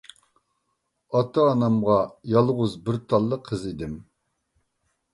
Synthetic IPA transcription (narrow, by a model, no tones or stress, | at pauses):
ɑt̪ʰɑːnɑmʁɑjɑlˠʁʊzbɪɾt̪ʰɑlˠːəqʰːəzid̪ɪm